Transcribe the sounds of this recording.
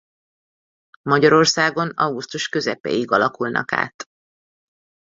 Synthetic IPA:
mɒɟɒɾo̞rsaːɡonɒwɡust̪uʃkø̞zɛpɛ̰jiɡɒlɒkulnɒ̰ka̰ːt̪

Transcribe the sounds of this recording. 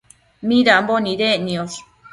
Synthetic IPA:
mĩɾamboniɾeʔnĩos

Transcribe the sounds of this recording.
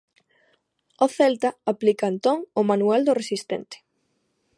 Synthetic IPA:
oθɛlt̪aaplikaent̪ɔŋʊmanuɛld̪ʊresist̪ɛnt̪ɪ̥

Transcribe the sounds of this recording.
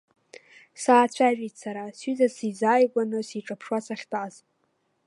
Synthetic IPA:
saːt͡ɕʷʰaʒᶣitʰʼsaɾasɥizasizaːjɡʷanɨsiʈ͡ʂʼapʰʂwasaχʲtʼaz

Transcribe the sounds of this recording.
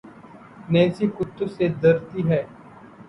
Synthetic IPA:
nɛːsikʊt̪ːosed̪ɐɾt̪iɦɛː

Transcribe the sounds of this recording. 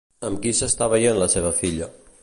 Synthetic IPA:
əmkisəst̪aβəjenləseβ̞əfiʎə

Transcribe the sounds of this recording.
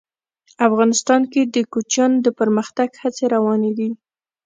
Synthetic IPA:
afɣɑnɪst̪ɑnked̪əkut͡ʃɑnd̪əpəɾməxt̪aɡhat͡seɾawɑned̪i

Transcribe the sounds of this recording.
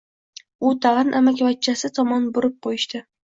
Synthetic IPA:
ʊt̪ʰaʁɨnʔamakʲvat͡ʃʰːasɪt̪ʰɒmɒnbʊɾɪp̚qʰojɪʃt̪ɪ

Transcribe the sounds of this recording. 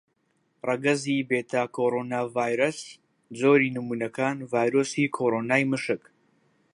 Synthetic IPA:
rɐɡɐzibeːt̪ʰaːkʰoːɾoːnaːvaːjɾɐs | d͡zoːɾiːnɨmunɐkʰaːnvaːjɾosikʰoːɾonaːjmɨʃɨk

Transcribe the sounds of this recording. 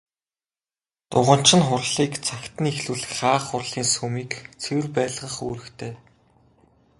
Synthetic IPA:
t̪ʊʁə̆n̥t͡ɕɪ̆nχʊrɮiːkt͡sʰakʲt̪ɘ̆nexɮuɮxχaːχʊrɮiːnsɵmiːkt͡sʰewɘ̆rpæːɮʁə̆χoːɾɘ̆kt̪ʰeː

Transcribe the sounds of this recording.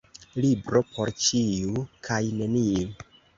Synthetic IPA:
libɾo̞pʰo̞ɾt͡ʃiukʰajne̞nii

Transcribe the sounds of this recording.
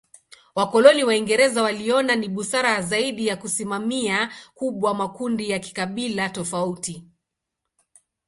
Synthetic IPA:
wakɔlɔniwaiŋɡɛɾɛzawaliɔnaniɓusaɾazaiɗijakusimamiakuɓwamakundijaki̥kaɓilatɔfauti

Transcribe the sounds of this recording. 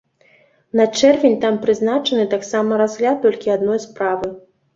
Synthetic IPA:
nɐt͡ʂɛrvʲenʲt̪ampɾɨznat͡ʂɐnɨt̪aksamɐɾazɣlʲat̪̚ːɔlʲkʲiad̪nɔjspɾavɨ

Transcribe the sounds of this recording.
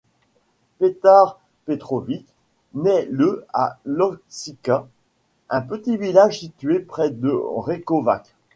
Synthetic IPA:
pet̪aʁ | pet̪χɔvik | nɛləa̰lɔksika | ʔɛ̃pət̪ivilaʒsit̪ɥepχɛd̪əʁekɔva̰k

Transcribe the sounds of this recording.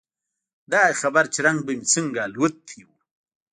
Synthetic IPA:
d̪axabaɾt͡ʃiɾaŋɡ̚bəmit͡səŋɡalwət̪ʰːiw

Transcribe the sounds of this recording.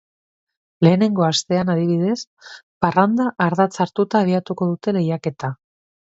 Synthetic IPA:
le̞ːne̞ŋɡo̞ast̪e̞anað̞iβiðe̞s | parand̪aʔːɾðat͡saɾt̪ut̪aːβ̞iat̪uko̞ðut̪e̞le̞jake̞t̪a

